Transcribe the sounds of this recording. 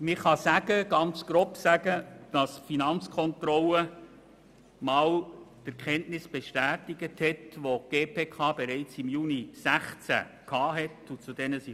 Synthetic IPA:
mɪχɑsæɡəɡ̥ɑnt͡sɡ̥ɾopsæɡəd̥ɑsfinɑnt͡skʰɔnt̪ɾɔlə | mɑːltæɾkχɛntnɪsb̥ɛʃtæːtɪɡəthɛtʋoɡ̥eːpʰeːkʰɑːb̥eɾɛɪt͡sɪmjuːnisæχt͡sæ̰ | kʰɑːɦɛtut͡sud̥ɛnəsi

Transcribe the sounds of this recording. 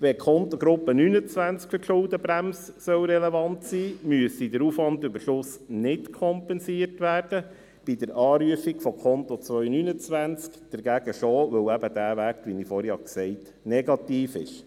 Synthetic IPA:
ʋɛkʰɔnt̪oɡɾʊpːənynət͡sʋænt͡skfəʃʊldəbɾæmssœwɾɛleʋɑntsiːmyəsidəɾuːfʋɑndʏbəɾʃʊsnɪtkʰɔmpɛnsiərtʋæːrd̥ə | b̥idəɾʔɑːɾyəfiɡfɔkʰɔnt̪ot͡sʋœʏnynət͡sʋænt͡skd̥əɾɡ̥æɡ̥əʃoːʋɵwæbəd̥æːʋækʋinifɔɾjɑksɛɪt | nɛɡɑtiːfɪ̰ʃ

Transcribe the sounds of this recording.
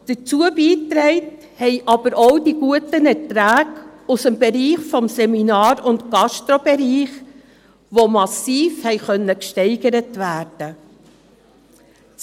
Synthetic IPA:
d̥ət͡suəbiːtɾɛɪt | hɛɪʔɑb̥əɾowdiɡuətənɛɾtɾæːɡʊsəmbeɾiːχfɔmsɛminɑːɾʊntɡ̥ɑʃtɾɔbɛɾiːχ | ʋomɑsiːfhɛɪχœnːəkʃtɛɪɡəɾətʋæːɾd̥ə

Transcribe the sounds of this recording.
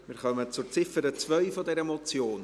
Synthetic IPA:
mɪːχœmət͡sʊɾt͡sɪfəɾət͡svœʏfɔdɛɾəmɔt͡sjoːn

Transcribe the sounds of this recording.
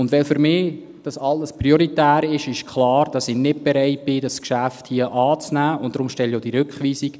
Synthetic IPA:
ʊndʋɛlfyɾmɪː | d̥ɑsɑlːəsprioɾitæːɾɪʃɪʃkʰχlɑːɾd̥ɑsɪnɪt̚b̥eɾɛɪt̚b̥ɪdɑskʃæfthiəʔɑːt͡snæːʊnt̚d̥ɾʊmʃtɛljod̥iɾʏkχʋiːsik

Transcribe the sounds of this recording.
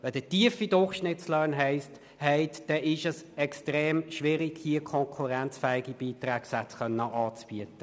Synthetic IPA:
ʋɛd̥̪ətiəfidʊrχʃnɪtt͡slœnɦɛɪst | hɛɪtd̥ɛʔɪʃəsɛkstʁeːmʃʋɪɾiɡhiəkʰɔŋkʰuɾænt͡sfɛːɪɡib̥iːtrʁæːksæskœnːəʔɑːt͡sb̥iətə

